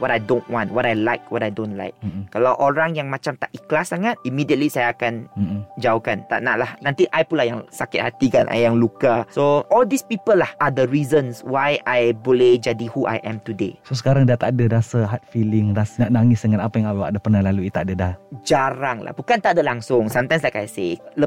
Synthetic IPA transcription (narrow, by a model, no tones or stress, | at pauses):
wɔtajdõnwɔ̃ntwɔtajlaɪk̚wɔtajdõnla̰jk̩̚ːalawʔoɾaŋjaŋmat͡ʃamt̪aʔiklasaŋat̪̚imidiət̪̚lisajaːkanmd͡ʒaokant̪a̰ʔnaʔlahnãnt̪iʔajpunlahjaŋsakɪt̪̚hat̪ika̰nʔa̰jaŋlukasoʔɔldispipəlːahʔad̪əɹizə̃nswajajbolɛd͡ʒadihuʔa̰jʔɛ̰̃mt̪udḛsosə̥kaɾaŋdiat̪adədasaɦat̪̚filɪŋrasnaʔnaŋɪsdəŋanapajaŋawwaʔdəpərnahlaluit̪aʔdədahd͡ʒaɾaŋla̰hbukant̪aʔdəlaŋsʊŋsamt̪aj̃mslajkajselə